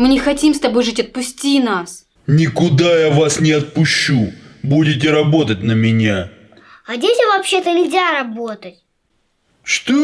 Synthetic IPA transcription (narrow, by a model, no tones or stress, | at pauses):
mɨnʲɪxɐtʲimst̪ɐbo̞jʐɨtʲɐt̪̚pʊsʲtʲinas | nʲɪkʊd̪ajavasnʲɪɐt̪̚pʊɕːubudʲɪtʲɪɾɐbo̞t̪ət̚ʲnəmʲɪnʲa | ɐdʲetʲɪvɐpɕːet̪ənʲɪzʲaɾɐbo̞t̪ətʲ | ʂt̪o